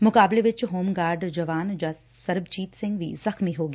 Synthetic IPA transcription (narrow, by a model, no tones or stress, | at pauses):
mʊkaːbleʋɪt͡ʃɦoːmɡaːɾɖd͡ʒɐʋaːnd͡ʒɐstsɐɾbt͡ʃiːt̪sɪ̃ŋɡʋḭzɐxmiɦoːɡi